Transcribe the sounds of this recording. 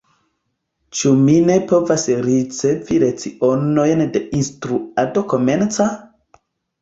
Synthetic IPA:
t͡ʃumine̞povasɾit͡se̞viɾe̞t͡siono̞jndeinstɾuado̞ko̞me̞nt͡sa

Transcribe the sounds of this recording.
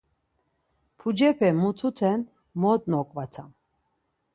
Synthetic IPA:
pʰud͡ʒɛpʰɛmut̪ʰut̪ʰɛn | mɔt̪̚ʼnɔkʼvat͡sʰam

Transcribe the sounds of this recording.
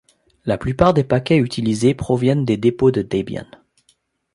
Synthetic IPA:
laplypaʁd̪epakʲɛyt̪ʰilizepχɔvjɛnd̪ed̪epod̪əd̪ebja̰n

